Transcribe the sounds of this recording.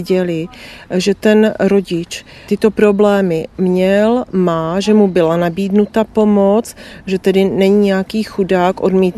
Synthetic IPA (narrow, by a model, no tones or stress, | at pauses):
ɟɛlɪʒɛt̪ɛnɾo̞ɟɪt͡ʃ | t̪ɪt̪o̞pɾo̞blɛːmɪmɲɛlmaːʒɛmubɪlanabiːdnut̪apo̞mot͡sʒɛt̪ɛdɪnɛɲiɲɛakiːxudaːkʔo̞dmiːt̪